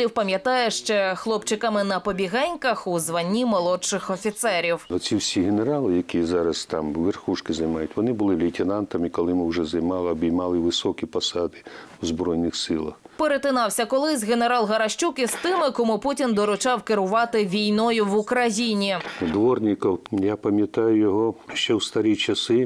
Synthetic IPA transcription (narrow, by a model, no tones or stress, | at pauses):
iwpɐmʲjɐt̪ɑjɛʃt͡ʃɛxlˠɔpt͡ʃɪkamɪnɐpɔbʲiɣɛnʲkɐxuzʋɐnʲːimɔlˠɔt͡ʃɪxɔfʲit̪sɛɾʲiwɔsʲiwsʲiɦeneɾɑlˠɪjɐkʲizɑɾɐst̪ɑmʋerxuʃkɪzɐjmɑjʊtʲʋɔnɪbʊlˠɪʋlʲitʲɪnɑnt̪ɐmikɔlˠɪmɪwʒɛzɐjmɑlˠɪɔbʲijmɑlˠɪʋɪsɔkʲipɔsɑd̪ɪ̥ | ʊzbɾɔjnɪxsɪlˠɐ̰x | peɾet̪ɪnɑwsʲɐkɔlˠɪzʲɣeneɾɑlˠɦɐɾɐʃt͡ʃukist̪ɪmɪkɔmuputʲind̪ɔɾʊt͡ʃɑwkɪɾʊʋɑt̪ɪʋʲijnɔjʊʋʊkɾɐjinʲid̪ʋɔrnʲɪkɔwjapɐmʲjɐt̪ɑjʊjɔɦɔʃt͡ʃɛwst̪ɐɾʲit͡ʃɐsɪ